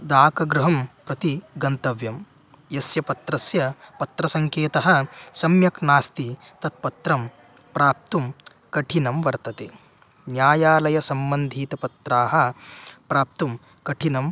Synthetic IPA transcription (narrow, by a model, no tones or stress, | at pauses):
d̪aːkɐɡɾuɦɐmpɾɐt̪iɡɐnt̪ɐʋjɐm | jɐsjɐpɐt̪ɾɐsjɐpɐt̪ɾɐsɐŋkeːt̪ɐɦɐ̆sɐmjɐknaːst̪i | t̪ɐt̪̚pɐt̪ɾɐm | pɾaːp̚t̪um | kɐʈʰinɐmʋɐɾt̪ɐt̪e | njaːjaːlɐjɐsɐmbɐnd̪ʱiːt̪ɐpɐt̪ɾaːɦɐ̆pɾaːp̚t̪um | kɐʈʰinɐm